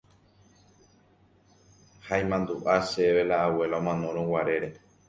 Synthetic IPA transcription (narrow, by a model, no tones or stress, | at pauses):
haĩmãnd̪uʔaʃeβelaːwe̞laomãnõɾ̃õwaɾe̞ɾe